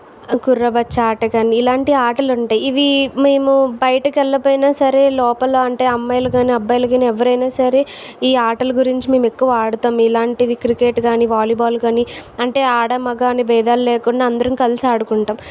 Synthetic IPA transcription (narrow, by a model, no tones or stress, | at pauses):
ɡuɾːɐbɐt͡ʃːaːʈɐɡaːniːlaːɳʈiaːʈɐluɳʈaːjiiʋime̞ːmubɐjɐʈɐkɛlːɐpoːjnaːsɐɾe̞ːlɔːpɐloːɐɳʈe̞ːɐmːɐjlɐɡaːniɐbːɐjlɐɡaːniɛʋːɐɾɐjnaːsɐɾe̞ː | iːaːʈɐlɐɡuɾiɲt͡ʃime̞ːmɛkːuʋɐaːɽut̪aːmilaːɳʈiʋikɾikeːʈɡaːniʋaːliːbaːlɡaːniɐɳʈe̞ːaːɽɐmɐɡaːnibɛːd̪aːllɛːkuɳɖaːɐnd̪ɐɾɐmikɐlisiaːɽukuɳʈaːm